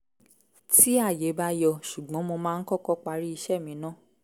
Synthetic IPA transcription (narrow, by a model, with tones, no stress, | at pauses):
ti˦a˦˨je˨˦ba˧jɔ˧˨ʃu˨ɡ͡bɔ̃˨˦mo˧mãː˦˧n̩˦kɔ˦kɔ˦˨k͡pa˧ɾi˦i˧ʃɛ˦˨mĩ˨˦nã˦˨